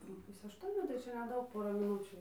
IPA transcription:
nʊ ˈpʊsʲeː ɐʃˈtuɔnʲuː tɐɪ ˈt͡ʃʲɛ nʲɛˈdɐʊk ˈpoːrɐ mʲɪˈnʊt͡ʃʲuː

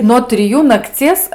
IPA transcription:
noː tʲrʲɪˈjuː nɐkˈt͡sʲiɛs

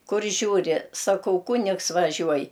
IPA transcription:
ˈkʊr ˈʒʲuːrʲɪ sɐˈkɐʊ ˈkʊnʲɪks ʋɐˈʒʲuɔj

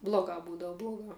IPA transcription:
blˠoːˈɡɑː ˈbuːdɐʋɐ blˠoːˈɡɑː

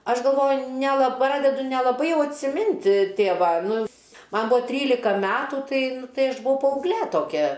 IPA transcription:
ˈɐʃ ɡɐlˠˈʋoːjʊ nʲɛˈlˠɐ ˈprɑːdʲɛdʊ nʲɛlˠɐˈbɐɪ ˈjɛʊ ɐtʲsʲɪˈmʲɪnt ˈtʲeːʋɐ ˈnʊ ˈmɐn ˈbʊɐ ˈtʲrʲiːlʲɪkɐ ˈmʲæːtuː ˈtɐɪ nʊ ˈtɐɪ ɐʃ bʊˈʋɐʊ pɐɐʊɡˈlʲeː toːˈkʲɛ

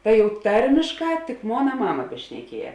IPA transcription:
tɐɪ jɛʊ ˈtɐrʲmʲɪʃˌkɑː tʲɪk ˈmoːnɐ ˈmɑːmɐ bʲɛʃʲnʲɛˈkʲiɛjɛ

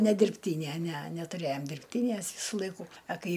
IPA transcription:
nʲɛ dʲɪrʲpʲˈtʲiːnʲæ nʲæ nʲætʊˈrʲæjoːm dʲɪrʲpʲˈtʲiːnʲæs ˈʋʲiːsʊ ˈlˠɐɪkuː ɐ ˈkɐɪ

